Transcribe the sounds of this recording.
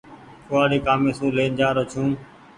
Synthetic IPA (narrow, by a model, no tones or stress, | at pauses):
kʊːaːɗeːkaːmẽːsũːleːnd͡ʒaːɾoːt͡ʃʰũː